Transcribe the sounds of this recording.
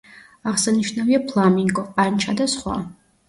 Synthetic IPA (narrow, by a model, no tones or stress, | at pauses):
aʁsaniʃnaviapʰlˠamiŋɡʼɔqʼant͡ʃʰad̪asχwa̰